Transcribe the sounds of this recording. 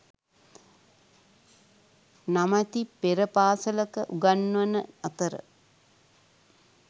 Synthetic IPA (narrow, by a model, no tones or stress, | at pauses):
namat̪ipeɾəpaːsələkəʔuɡanːʋɐnəat̪əɾə̰